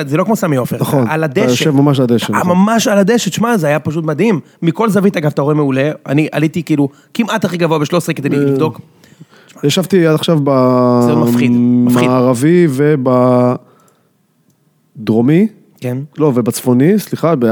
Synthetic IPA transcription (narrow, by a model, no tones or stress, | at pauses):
zelo̞kmo̞samijofenaχonalad̪eʃjoʃevmamaʃ̬alad̪eʃeamamaʃalad̪eʃet̪ʃmazeajapaʃ̬ut̪mad̪himːiko̞lzavit̪aɡavat̪aʁoeme̞ule̞a̰niʔa̰lit̪ikiːlu | kimat̪aχiɡavoabe̞ʃlo̞sʁeked̪ejilivd̪o̞k | ʃmajaʃavt̪iad̪aχʃavbazmaafχid̪afmfaidːʁaviveba | d̪ʁomi | kenlovebat͡sfo̞nisliχabe